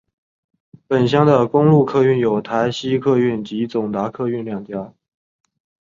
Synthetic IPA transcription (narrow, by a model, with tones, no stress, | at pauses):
pə˨˩nɕ̬jɑ˥ŋd̪ə˨kʊ˥ŋlu˥˧kʰɤ˥˧y˥˩njo˨˩ʊt̪ʰa˧˥ɪɕi˥kʰɤ˥˧y˥˩nt͡ɕi˧˥t͡sʊ˨˩ŋt̪a˧˥kʰɤ˥˧y˥˧nljɑ˥˩ŋt͡ɕja˥